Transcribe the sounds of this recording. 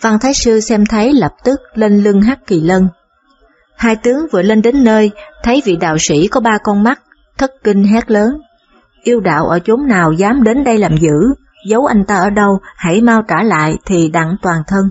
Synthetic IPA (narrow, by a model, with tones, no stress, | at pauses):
va˧ŋt̪ʰaː˨˦jsɨ˧sɛ˧mt̪ʰə˨˦jlə˨˩p̚t̪ɨ˦˥k̚le˧nlɨ˧əŋɦaː˦˥k̚ki˨˩lə˧n | haː˧jt̪ɨ˨˦əŋvɨ˨˩əle˧nɗe˨˦nːəː˧jt̪ʰə˨˦jvḭ˧˨ɗa̰ː˧˨wsḭ˧˩kɔ˨˦ɓaː˧kɔ˧nma˦˥k̚ | t̪ʰə˦˥k̚kï˧ŋ̟ɦa˦˥t̚ləː˨˦n | ʔi˧əwɗa̰ː˧˨wʔəː˧˩t͡ɕo˨˦mnaː˨˩wzaː˨˦mɗe˨˦nɗə˧jlaː˨˩mzɨ̰˧˥ | zə˨˦wʔa˧jŋ̟t̪aː˧ʔəː˧˩ɗə˧wha̰˧˩jmaː˧wt͡ɕaː˧˩la̰ː˧˨jt̪ʰi˨˩ɗa̰˧˨ŋt̪waː˨˩nt̪ʰə˧n